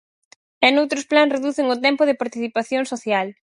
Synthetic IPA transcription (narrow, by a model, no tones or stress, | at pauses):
ɛnowt̪ɾʊsplãŋsreðuθɪŋʊt̪ɛmpʊðɪpaɾt̪iθipaθjoŋsoθjal